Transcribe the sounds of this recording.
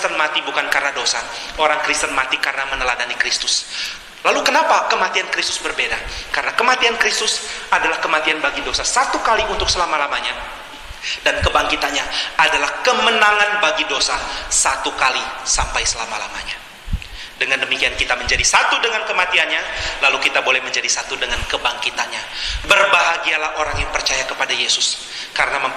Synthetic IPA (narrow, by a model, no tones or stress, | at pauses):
t̪ənmat̪ibukankarnadosa̰ | oɾaŋkɾist̪ənmat̪ikarənamənəladanikɾist̪ʊ̥s | lalukənapakəmat̪iankɾist̪ʊ̥sbərbedakarənakəmat̪iankɾist̪ʊsadalahkəmat̪ianbaɡidosasat̪ukaliunt̪ʊk̚səlamalamaɲa | dankəbaŋkit̪anɲaadalahkəmənaŋanbaɡidosasat̪ukalisampajsəlamala̰ma̰ɲa | dəŋandəmikiankit̪aməɲd͡ʒadisat̪udəŋankəmat̪ianɲalalukit̪abolɛhməɲd͡ʒadisat̪udəŋankəbaŋkit̪anɲabərbaɦaɡialahoɾaŋjaŋpərt͡ʃajakəpadajesʊs | kaɾənaməm